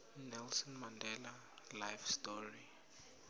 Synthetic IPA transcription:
nɛlsɔnmandʱɛla | lajfstɔri

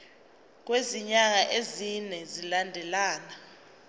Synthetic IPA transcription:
k̬ʼweziɲaŋ̬aʔezinɛzilandʱɛlaːna

